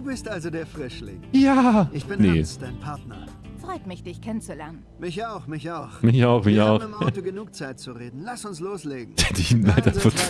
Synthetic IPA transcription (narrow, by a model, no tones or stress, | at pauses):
d̥uːbɪstʔalzodeːɐfʁ̥ɪʃlɪ̰ŋjaːɪçb̥ɪnned̥aɪnpʰaɐtnɐ̰ | fʁ̥ɔʏtmɪçd̥ɪçkʰɛnənt͡sulɛɐnənmɪçaʊxmɪçaʊxmɪçaʊxmɪçaʊxd̥uɡənuːk̚t͡saɪt̚t͡suʁeːdn̩lasʊnsloːsleːɡŋ̩ɛtəçnlaɪtanfɐ